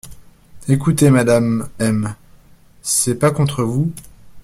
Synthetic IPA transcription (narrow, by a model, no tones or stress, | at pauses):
ekut̪emad̪amɛm | sɛpakɔ̃t̪χəvu